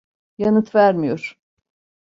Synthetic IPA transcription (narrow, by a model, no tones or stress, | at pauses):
janɯt̪væɾmijoɾ̥